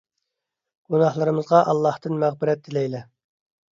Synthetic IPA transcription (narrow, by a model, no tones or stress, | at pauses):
ɡ̥unɑhlˠɨɾɨmɨzʁɑʔɑlˠːɑht̪ɨnmæʁbɪɾɛt̪̚d̪ɪlɛjlɛ